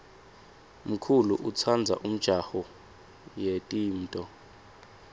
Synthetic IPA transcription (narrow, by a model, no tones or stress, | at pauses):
m̩kʰuluʔut͡sʰand͡zʱa̰ʔum̩d̥ʒ̥ʱaxɔ | jetʼiːn̩tʼɔ